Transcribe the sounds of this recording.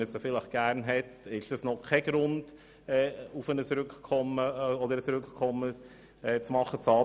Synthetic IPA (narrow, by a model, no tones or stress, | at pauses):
əsəfɪləχɡ̥æɾnɦɛtɪʃd̥ɑsnɔχkʰɛɡ̥ɾʊnd̥ | ɛːufənəsɾʏkkʰɔməɔd̪əɾəsɾʉkkʰɔmːə | ɛt͡smɑχːət͡sɑː